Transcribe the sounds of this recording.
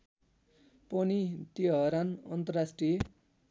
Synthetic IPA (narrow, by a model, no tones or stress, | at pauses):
pʌnit̪iʌɾanʌ̰nt̪ʌrasʈrije